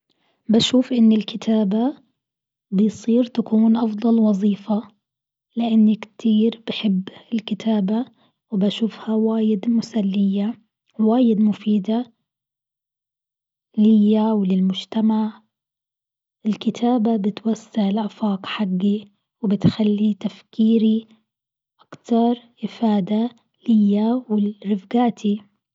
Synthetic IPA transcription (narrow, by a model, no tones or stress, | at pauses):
baʃuːfʔɪnːɪlkʰɪt̪ʰaːba | bɪjsˤiːɾt̪akuːnʔɑfd̪ˤɑlwɑzˤiːfa | lɪʔanːakt̪ʰiːɾbɪħɪbːɪlkɪt̪ʰaːba | wbaʃuːfhawaːjɪd̪mʊsalːɪjːa | waːjɪd̪mʊfiːd̪a | lɪjːawlɪlmʊʒt̪amaʕ | ʔɪlkɪt̪ʰaːbabɪt̪wasːaʕɪlʔafɑːqħaɡːi | wbɪt̪xalːit̪afkiːɾi | ʔakt̪ɑɾˤʔɪfaːd̪a | lɪjːawɪɾɪfɡaːt̪ʰi